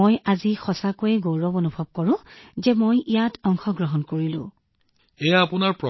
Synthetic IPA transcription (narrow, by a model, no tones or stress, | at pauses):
ojʔazixɔsakojɛɡowɹɔbonubʱɔb̚kɔɹʊ̃zɛmojijatʰɔŋxɔɡɹɔɦɔnkoɹilʊ̰̃ | ejaːpʊnaɹpɹɔ